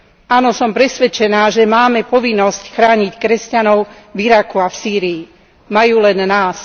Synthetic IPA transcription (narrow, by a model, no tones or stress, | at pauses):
ʔanɔsɔmpɾɛsʋɛt͡ʃɛnaːʒɛmaːmɛpɔʋinːɔscxɾaːɲickɾɛscanɔʊviɾakuafsiːɾii | majuːlɛnːaːs